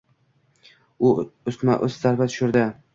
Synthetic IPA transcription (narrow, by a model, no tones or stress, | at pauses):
ʊʊst̪ma̰ʔʊszaɾbat̪ʰʊ̥ʃʊɾd̪ɪ